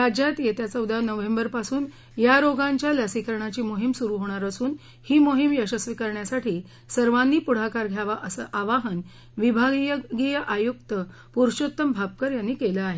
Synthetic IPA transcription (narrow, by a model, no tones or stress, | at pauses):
ɾad͡ʑjat̪jet̪jat͡saud̪anəʋẽmbəɾpasuːn | jaɾoɡãɲt͡ɕjaləsikəɾɳ̃at͡ɕiːmoɦimsuɾuɦoɽ̃aɾəsuːn | hiːmoɦimjəɕəsʋikəɾɳjasaʈʰiː | səɾʋanːiːpuɽ̤akaɾɡʱjaʋaaʋaɦən | ʋibʱaɡijɡijəʔajuk̚t̪ə | puɾɕot̪ːəmbʱap̚kəɾjanːiːkelaaɦe